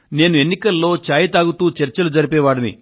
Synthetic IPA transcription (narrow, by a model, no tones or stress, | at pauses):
ne̞ːnue̞nːikɐlːo̞ːt͡ʃaːjɐt̪aːɡut̪uːt͡ʃɛɾt͡ʃɐlud͡ʒɐɾipɛːʋaːɽɐnḭ